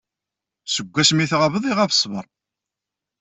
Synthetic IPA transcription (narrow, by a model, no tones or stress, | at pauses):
səɡʷːæsmiθʁavəðˤiʁafə̥sˤːvəɾˤ